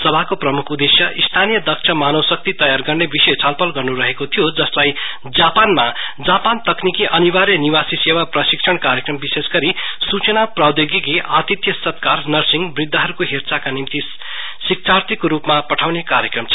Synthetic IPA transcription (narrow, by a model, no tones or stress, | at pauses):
sʌbʱakoprʌmukʰud̪esjʌʔist̪ʰanijʌd̪ʌksʰʌmanʌwsʌk̚t̪it̪ʌjarɡʌrnebisʌjt͡sʰʌlpʌlɡʌrnuɾʌɦekot̪ʰijod͡zʌslaj | d͡zapanmad͡zapant̪ʌknikiʔʌnibaɾjʌniwasisewaprʌsiksʰʌɳkaɾjekrʌmbisesɡʌɾisut͡sʌnaprad̪joɡiɡiʔat̪it̪jʌsʌt̪karnʌrsiŋɡbrid̪ʱːʌɦʌɾukoɦert͡sakanimt̪i | sik̚t͡sart̪ikoɾupmapʌʈʰawnekaɾjʌkrʌmt͡sʰ